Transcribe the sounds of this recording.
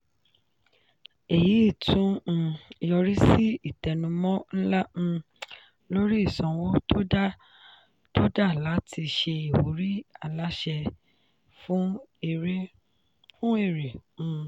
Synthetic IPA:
e˨ji˨˦i˦˨tũ˦˧˨jɔ˧ɾi˦si˦i˦˨tɛ˨nũ˧mɔ̃˦n̩˦lã˦˧ | lo˦ɾi˦i˦˨sɔ̃˧wo˦tʰo˦da˦˨ | to˦da˦˨la˨˦ti˧ʃe˧i˨wo˨˦ɾi˦a˦˨la˦ʃɛ˧ | fũ˦i˨ɾe˦ | fũ˦e˦˨ɾĩ˨˧

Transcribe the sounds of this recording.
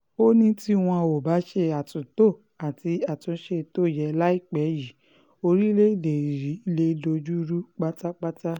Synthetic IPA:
o˦nĩ˦ti˦w̃ɔ̃˧o˨ba˨˦ʃe˧a˨tũ˨to˦˨ | a˨ti˧a˨tũ˧˦ʃe˧˨to˦˨jɛ˧la˦i˦˨k͡pɛ˨˦ji˨˦ | o˧ɾi˦le˦i˦˨de˨ɾi˨˦le˦do˧d͡ʒu˦ɾu˦k͡pa˦ta˦k͡pa˦ta˦

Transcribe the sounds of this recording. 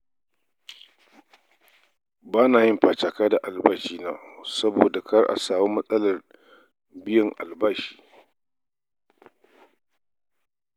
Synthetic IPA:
baː˦naː˨jɪ˦mɸaː˨t͡ʃaː˨kaː˦da˨ʔa˨lbaː˦ʃiː˦naː˦˨sɐ˦boː˨da˨kɐ˦rʔa̰˨saː˨wuː˦mɐ˦sʼɐ˦lɐ˨r | bɪ˦jɐ˨ŋʔa̰˨lbaː˦ʃi̥ː˦˨

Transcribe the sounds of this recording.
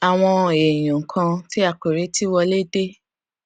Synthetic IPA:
a˨w̃ɔ̃˧e˨j̃ũ˨ŋ̩˨kʰã˧ti˦a˦˨k͡pe˨ɾe˨˦ti˦wɔ˧le˦de˦

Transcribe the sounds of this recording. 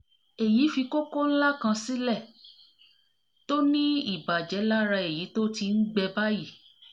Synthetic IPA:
e˨ji˨˦fi˧ko˦ko˦n̩˦la˦˨kã˧si˦lɛ˦˨ | to˦nĩ˦i˦˨ba˨d͡ʒɛ˨˦la˦ɾa˧e˨ji˨˦to˦ti˧n̩˦ɡ͡bɛ˧ba˦ji˦˨

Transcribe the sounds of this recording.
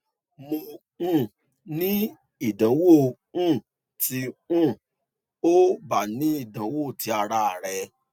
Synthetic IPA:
mõ˧˦˨ | nĩ˦ | i˨dã˨˦wo˦˨ | ũ˦˨ | ti˧ũ˦˨ | o˦ba˨nĩ˨˦i˦˨dã˨˦wo˦˨ti˧˦a˧ɾa˧a˨ɾɛ˧

